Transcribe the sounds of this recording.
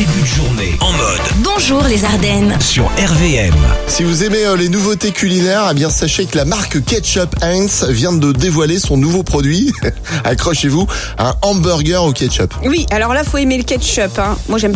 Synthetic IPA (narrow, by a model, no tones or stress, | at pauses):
d̪ebyd̪əʒuʁnḛɑ̃mɔd̪bɔ̃ʒuːʁlezaʁd̪ɛnsy̰ʁɛʁveɛ̰msivuzemeølenuvot̪ekʲylinɛʁebjɛ̃saʃekəlamaʁkkʲɛt̪ʃɔpɛ̃nsvjɛ̃d̪əd̪evwalesɔ̃nuvopχɔd̪ɥi | a̰kχɔʃevu | ɛ̰̃ɔ̃bœʁɡœʁokʲɛt̪ʃɔ̰pwiʔalɔʁlafoemeləkʲɛt̪ʃɔpɛ̃mwaʒɛm